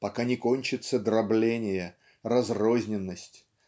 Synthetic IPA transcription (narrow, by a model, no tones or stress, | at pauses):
pɐkanʲɪko̞nʲt͡ɕɪt̪səd̪ɾɐblʲenʲɪjə | rɐzro̞zʲnʲɪnːəsʲtʲ